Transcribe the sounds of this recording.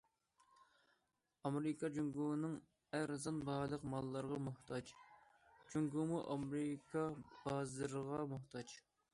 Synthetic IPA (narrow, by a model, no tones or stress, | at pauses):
ɑmɾɨkʰɑd͡ʒuŋɡunɨŋ | æɾzɑnbɑːlˠəqmɑlˠːɑɾʁɑmʊht̪ʰɑd͡ʒ | d͡ʒuŋɡumuʔɑmɾɨkʰɑb̥ɑːzɨɾəʁɑmʊht̪ʰɑd͡ʒ